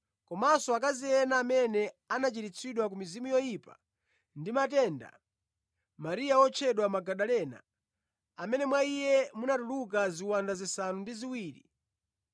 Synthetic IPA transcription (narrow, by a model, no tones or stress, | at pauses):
kɔmasɔak̬azijɛnaːmɛnɛanat͡ʃiɾit͡sʰiɗwak̬umizimujɔjipa | ndimatɛːnda̰ | maɾijaɔt͡ʃʰɛɗwamaɡaɗalɛːna̰ | amɛnɛmwaijɛmunatulukaziwandazisanundiziwiːɾḭ